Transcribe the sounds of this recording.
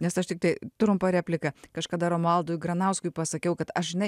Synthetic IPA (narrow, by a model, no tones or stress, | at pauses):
nʲɛsɐʃt̪ʲɪk̚t̪ɐɪt̪ɾʊmpɐɾʲæːpʲlʲɪkɐkɐʃkɐd̪ɐɾomɐlˠd̪ʊːjɡɾɐnɐʊskʊɪpɐsɐkʲɛʊkɐt̪ɐʃʒʲɪnɐɪ